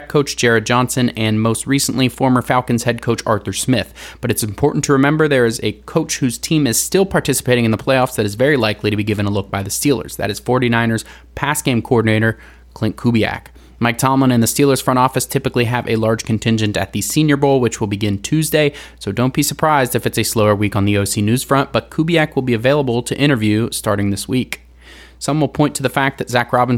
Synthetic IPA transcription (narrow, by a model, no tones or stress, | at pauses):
kʰoʊt͡ʃd̥ʒ̥ɛɹɨd̚d͡ʒɑ̃nsɨ̃nɨ̃nmoʊst̚ɹisnʔlifɔɹmə˞fælˠkɨ̃n̩z̥hɛd̚kʰoʊt͡ʃɑɹθə˞smɪθb̥ʌɾɨtsɨ̃m̩pʰɔɹʔn̩tʰɨɹɨmɛ̃mbə˞ðə˞ɨzɨkʰoʊt͡ʃhʉz̥tʰĩmɨz̥stɪlˠpʰɑɹtʰɪsə̥pʰeɪɾɪ̃ŋɨnðəpʰl̥eɪɔfsðɨɾɨzvɛɹilaɪkliɾɨbiɡɪvɨ̃ñəlʊk̚b̥aɪðɨstilˠə̰˞z̥ðɨ̰ɾɨz̥fɔɹɾinãɪ̃nə˞z̥ | pʰæsɡ̥ẽɪ̃mkʰoɔɹdⁿn̩eɪɾə˞ | kʰl̥ɪ̃nkʰubiæ̰k | maɪk̚tʰɑmlə̃ñɨ̃nðɨstilˠə˞z̥fɹʌ̃ɾ̃ɔfɨstʰɪpɨkliɨvɨlɑɹd̥ʒ̥kʰɨ̃n̩tʰɪ̃nd͡ʒɨ̃ntɨ̰t̪̚ðɨsĩnjə˞boʊlˠwɨt͡ʃwəlˠbɨɡɪ̃ntʰʉzdeɪsoʊdõʊ̃nb̥isə˞pʰɹ̥aɪzdɨfɨtsɨsloʊə˞wikn̩ðioʊsinʉz̥fɹʌ̃nʔb̥ʌt̚kʰubiækwəlˠbiɨveɪlˠəbl̩ˠtʰɨʔɪ̃ɾ̃ə˞vjʉstɑɹɾɪ̃ŋðɪswik | sʌ̃mwəl̩ˠpʰɔ̃ɪ̃ntʰɨðəfæk̚ðɨtz̥ækɹɑbə̃n̩